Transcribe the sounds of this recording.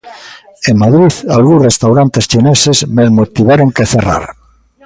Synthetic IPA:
eŋmaðɾiðalɣũsrest̪awɾant̪est͡ʃinesezmezmot̪iβaɾoŋkeθera̰ɾ

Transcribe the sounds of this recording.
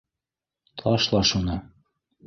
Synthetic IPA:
t̪ʰɑʃlˠɑʃunɑ

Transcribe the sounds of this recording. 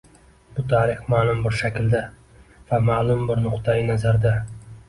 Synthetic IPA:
b̥ʊt̪ʰaɾɪχmalˠʊmbɪɾʃakʲɪld̪a | vamalˠʊmbɪɾnʊqt̪ʰaɪnazaɾd̪a

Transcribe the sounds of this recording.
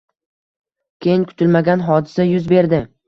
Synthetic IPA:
kʲʰejɪnkʰʊ̥t̪ʰɪlmaɡʲanɦɒd̪ɪsajʊzbe̞ɾd̪ɪ

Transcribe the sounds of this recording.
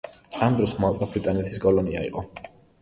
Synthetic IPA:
amd̪ɾɔsmat̪ʼabɾit̪ʼanɛt̪ʰiskʼɔlɔniaḭqʼɔ

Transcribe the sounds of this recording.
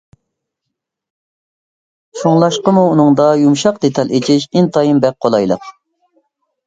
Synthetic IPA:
ʃoŋlˠɑʃqəmuːnɨŋd̪ɑjumʃɑqd̪et̪ʰɑlˠet͡ʃʰɪʃɪnt̪ʰɑjimbɛk̚qʰːolˠɑjlˠə̰q

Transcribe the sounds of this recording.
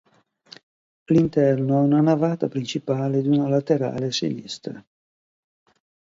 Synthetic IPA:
lint̪ɛrnoɛunanavaːt̪apɾint͡ʃipaːled̪iunalat̪eɾa̰ːlesḛnḭst̪ɾa̰

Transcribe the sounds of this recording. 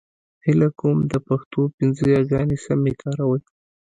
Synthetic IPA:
hɪlakumd̪əpaxt̪opɪnzəjɑɡɑnisamikʰɑɾawəj

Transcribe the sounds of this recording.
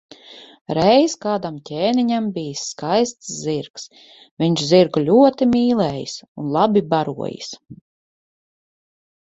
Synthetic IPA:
ɾɛjskaːd̪amcʲeːniɲambʲijsːkajst̪sziɾks | vʲiɲt͡ʃziɾklʲuɔt̪imʲiːlˠɛːjḭsunlˠabʲibaɾṵɔ̰jḭs

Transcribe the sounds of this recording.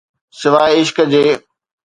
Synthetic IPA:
sɪʋaːɪʃkd͡ʑeː

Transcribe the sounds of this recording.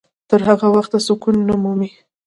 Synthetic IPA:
t̪əɾhaɣawaxt̪asʊkunːamumi

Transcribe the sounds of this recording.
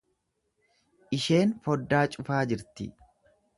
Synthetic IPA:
ʔɪʃe̞ːnfɔd̪ːaːt͡ʃʼʊfaːd͡ʒɪɾt̪ɪ

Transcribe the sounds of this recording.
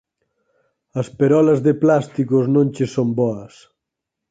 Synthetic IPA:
ɐspeɾɔlɐzðeplast̪ikoznõnʲt͡ʃesombɔɐs

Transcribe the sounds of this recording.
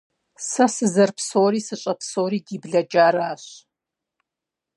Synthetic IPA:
sɐsɨzɐrpʰsoːɾiːsɨɕʼɐpsoːɾiːdiːbɮɐd͡ʒʼaːɾaːɕ

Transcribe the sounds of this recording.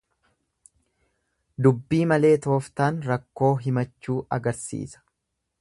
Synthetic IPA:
d̪ʊbːiːmɐle̞ːt̪o̞ːft̪aːnɾɐkːo̞ːɦɪmɐt͡ʃːuːɐɡɐɾsḭːsɐ̥

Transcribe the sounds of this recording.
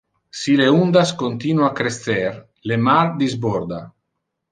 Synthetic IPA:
sileund̪askont̪inuakɾesθeɾ | lemaɾd̪izboɾd̪a

